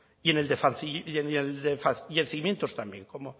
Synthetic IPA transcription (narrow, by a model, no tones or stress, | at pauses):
ieneld̪efanθieneld̪efaθʝenθiimjent̪ost̪ambjeŋkomo